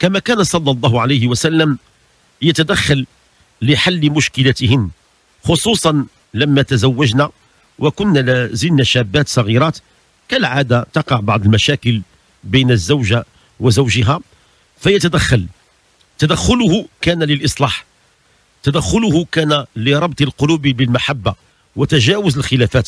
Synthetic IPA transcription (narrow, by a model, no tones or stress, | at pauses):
kæmækænasˤɑlˤːɑlˤːɑːhʊʕalejhɪwæsælːəm | jæt̪æd̪æxːalː | ɪħalːmʊʃkɪlæt̪hɪnː | xosˤuːsˤɑn | læmːæt̪æzæwːæʒnæ | wʔəkʊnːælæzəlnæʃæbːæt̪sˤɑɣiɾˤɑt̪ | kælʕad̪at̪ɑqɑʕbɑʕd̪ˤəlmæʃækəl | bijnəzːəwʒa | wəzəwʒəɦæ | fæjæt̪æd̪æxːɑl | t̪æd̪æxːʊlʊhʊkænæləlʔɨsˤlɑːħ | t̪æd̪æxːʊlʊhʊkænæləɾˤɑb̚t̪ˤəlqʊlubbəlmaħabːa | wət̪æʒæwʊzəlxəlæfæːt̪